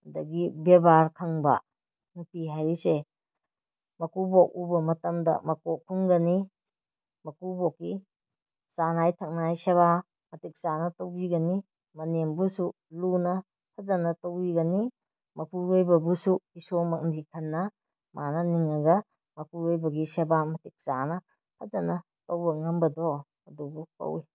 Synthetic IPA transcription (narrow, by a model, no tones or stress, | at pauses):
dɐɡibebaɾkʰɐŋbɐ̰ | nupiɦajɾise | mɐkubok̚ubɐmɐtɐmdɐ̰mɐkok̚kʰuŋɡɐni | mɐkubɔkːi | sanajtʰɐk̚najsɐβa | mɐtik̚sanɐtowbiɡɐni | mɐnembusu | lunɐ | hʰɐzɐnɐtowiɡɐni | mɐpuɾojbɐbusuisomɐk̚ndikʰɐnːɐ | mʔanɐniŋɐɡɐ | mɐpuɾojbɐɡisɐbamɐtik̚sanɐ | hʰɐzɐnɐ | towbɐŋɐmbɐdo | ɐdubukɐ̰wi